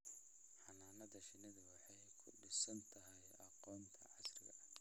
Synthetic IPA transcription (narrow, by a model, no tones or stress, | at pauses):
ħɑnaːnɐðɐʃɪnɐðɐwɑħɑjkʰʊɖɪsɐnt̪ʰɐɦɛj | ɑqɔːnt̪ʰɐʕɑsrɪ̰ɣɐ̰ʔɐ